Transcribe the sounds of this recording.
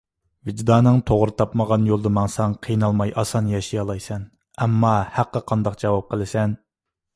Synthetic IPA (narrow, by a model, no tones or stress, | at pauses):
vɪd͡ʒd̪ɑːnɨŋt̪ʰoʁɾɨt̪ʰɑpməʁɑnjolˠd̪ɨmɑŋsɑŋqʰijnɑlˠmɑjʔɑsɑnjɑʃijɑlˠɑjsɛn | ɛmːɑhæqːəqʰɑnd̪ɑqd͡ʒɑwɑp̚qʰəlˠɪsɛn